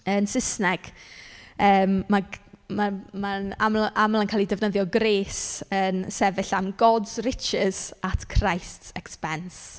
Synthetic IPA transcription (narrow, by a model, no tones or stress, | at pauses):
ənsɪsnɛɡ̥ | əːmːamamanamʔamlˠankʰaːlˠidɛvnəðjɔɡreːsənsɛvɪɬamɡɔdz̥rɪt͡ʃɪz̥atʰkʰrajstsɛkspɛns